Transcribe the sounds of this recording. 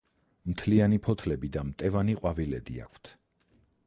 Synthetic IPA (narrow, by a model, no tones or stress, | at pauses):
mt̪ʰlianipʰɔt̪ʰlɛbid̪amt̪ʼɛvaniqʼwavilɛd̪ia̰kʷʰt̪ʰ